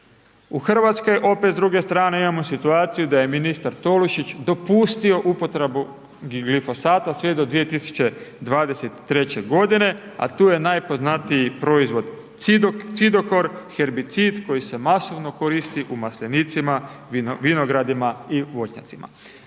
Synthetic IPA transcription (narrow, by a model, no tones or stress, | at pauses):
uxr̩ʋat̪sko̞jʔo̞pet̪ɾuɡe̞st̪ɾaːne̞imamosit̪uaːt̪sijud̪aje̞minist̪aɾt̪o̞luʃit͡ɕd̪o̞puːst̪io̞ʔupo̞t̪ɾebu | ɡɡlifo̞saːt̪asʋed̪o̞d̪ʋije̞t̪isu̥t͡ɕe̞d̪ʋaːd̪e̞set̪i̥ːɾe̞t͡ɕe̞ɡo̞d̪ine̞ | a̰t̪uːje̞najpo̞znat̪ijipɾo̞izʋo̞d̪ | t̪sid̪o̞ko̞ɾxe̞ɾbit̪sid̪ko̞jise̞maso̞ʋno̞ko̞ɾist̪iʔumasʎenit̪simaʋino̞ɡɾad̪imaiʋo̞t͡ʃɲa̰t̪sima̰